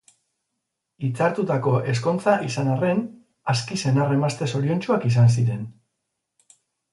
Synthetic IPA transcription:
it͡saɾt̪ut̪ako̞ʔe̞s̬ko̞nt͡saʔisanare̞n | askise̞nare̞mast̪e̞so̞ɾio̞nt͡ʃuakis̬ans̬iɾe̞n

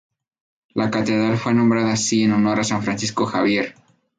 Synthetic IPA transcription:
lakat̪e̞ðɾalfwe̞nombɾaðaːsie̞nonoɾasaɱfɾansisko̞xaβje̞ɾ

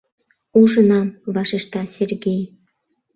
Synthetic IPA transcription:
uʒə̆nɑmβɑʃeʃt̪ɑsʲerɡej

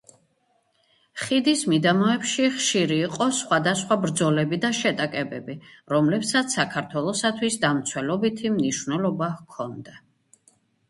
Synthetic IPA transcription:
χid̪ismid̪amɔɛpʃiχʃiɾiːqʼɔsχwad̪asχwabɾd̪zɔlɛbid̪aʃɛt̪ʼakʼɛbɛbiɾɔmlɛpsat̪ssːakʰaɾt̪ʰwɛlˠɔsat̪ʰwisd̪amt̪sʰwɛlɔbit̪ʰimniʃvnɛlˠɔbakʰɔnd̪a

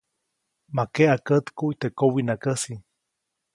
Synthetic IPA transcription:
makeʔakət̪kuit̪ekowinakəsi

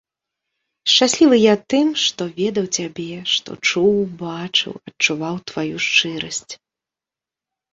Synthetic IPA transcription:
ʂt͡ʂasʲlʲilˠɨjat̪ɨmʂt̪ɔvʲɛd̪ɐwt͡sʲabʲɛʂt̪ɔ̰t͡ʂuwbat͡ʂɨ̰wɐt͡ʂuvawt̪vajuʂt͡ʂɨɾɐsʲt͡sʲ

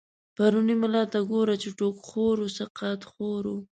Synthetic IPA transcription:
paɾunimalɑt̪aɡoɾat͡ʃeʈokxoɾosaqɑt̪xoɾu

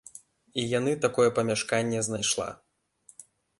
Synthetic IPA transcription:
ijanɨt̪akɔjɛpɐmʲaʂkanʲːɛznajʂlˠa̰

